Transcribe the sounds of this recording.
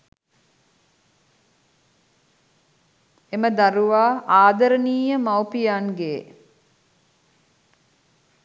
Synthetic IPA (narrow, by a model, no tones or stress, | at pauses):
eməd̪aɾuʋaːʔaːd̪ɐɾəniːjəmawpijanɡeː